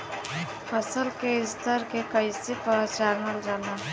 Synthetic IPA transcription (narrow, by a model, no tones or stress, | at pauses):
pʰəsəlkeɪst̪ʰəɾkekəisepəɾt͡ʃaːɾnəld͡ʒaːna